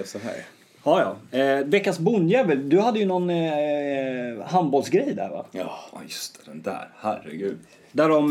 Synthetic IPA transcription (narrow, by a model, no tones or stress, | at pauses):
sɔɦæ̰ɾ | hɑːjɑ̰ːvɛkːansbʊnjɛːvəld̪ɵhad̪ːəjɵnɔn | ɦanbɔlsɡɾɛjd̪æ̰ɾva̰jɵst̪ʰɛd̪ɛnd̪æ̰ːɾhæɾɛ̰ɡʉ̟ːd̪ | d̪æɖɔm